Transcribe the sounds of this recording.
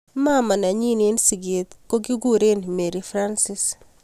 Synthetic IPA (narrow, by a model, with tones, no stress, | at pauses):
ma˦ma˨na˨ɲi˦ne˦nsi˨ɡe˨t̪ko˦ɡi˦ɡu˦ɾe˦nme˨ɾi˨fɾa˦nsɪ˦s